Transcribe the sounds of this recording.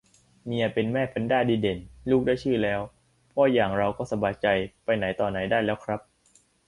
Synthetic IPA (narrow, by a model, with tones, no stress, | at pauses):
mi˧ɐ˧pe˧nmɛː˥˩pʰa˧˥˦ndaː˥˩diː˧˩de˨˩˦nluː˥˩k̚daː˥˩jt͡ɕʰɯː˥˩lɛː˦˥w | pʰɔ˦˥jaː˨˩ŋɾa˧wkɔː˥˩sa˧baː˧jt͡ɕa˧jpa˧jna˩˦jt̪ɔː˨˩na˩˦jdaː˥˩jlɛː˦˥wkʰɾa˦˥p̚